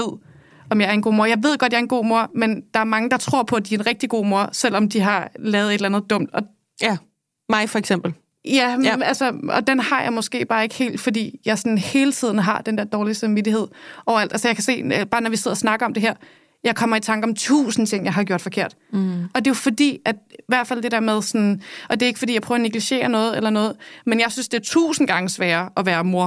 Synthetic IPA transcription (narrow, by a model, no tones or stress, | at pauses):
eð̰ˠ | ɒ̽mjɑ̈ɪæɐenɡo̝̰ːmo̝ɐjɑ̈ɪʋe̝ð̞̰ˠɡ̥ɒd̥̚jɑ̈ɐenɡ̥o̝̰ːmo̝ɐmend̥ɑ̈æɐmɑ̈ŋəd̥ɑ̈t͡sʰʁo̝ɐ̰pʰɒ̽æd̥iæɐe̝nʁɛɡ̥̚d̥iɡ̥o̝̰ːmo̝ɐ̰sel̰ɒ̽md̥iɦɑ̈lɛːʊð̩ˠe̝ɾlænð̞̩ˠd̥ɔ̽m̰d̥ɒ̽ | mɑ̈ɪfɒ̽eɡ̥semb̥l̩ | jæælsəɒ̽d̥enhɑ̈jɑ̈ɪmɒ̽sɡ̥e̝̰ːb̥ɑːe̝ɡ̥he̝̰ːld̥fɒ̽dḭːjɑ̈ɪsɒ̽nn̩he̝ːlət͡sʰið̰ˠn̩ɦɑ̈d̥end̥eɐ̰d̥ɒːlisɑmʋid̥ihe̝ð̞̰ˠʔɒʊɐæld̥ælsəjɑ̈ɪkʰæse̝̰ːb̥ɑ̈ːnɒʋise̝ð̞̰ˠɐsnɑ̈ɡ̥ɐɒ̽md̥e̝ɦæɐ̰ | jɑ̈ɪkʰɒ̽m̰ɐit͡sʰɑ̈ŋɡ̥əɒ̽mt͡sʰṵːsn̩t͡sʰe̝ŋ̰jɑ̈ɪɦɑɡjo̝ɐ̰d̥fɒ̽kʰe̝ɐ̰d̥ɒ̽d̥e̝jofɒ̽d̥ḭːæd̥iʋæɐ̰d̥fæl̰d̥e̝d̥æɐ̰með̞ˠsɒnʔɒ̽d̥e̝e̝ɡ̥fɒdḭːjaɪpʰœːɐːneɡ̥liɕe̝̰ːɐnɔ̽ːð̞̩ˠelɐnɔ̽ːð̞̩ˠmenjɑɪsynsd̥eæɐt͡sʰṵːsn̩ɡ̥ɑ̈ŋəsʋɛːɐːʔɒ̽ʋæːɐmo̝ɐ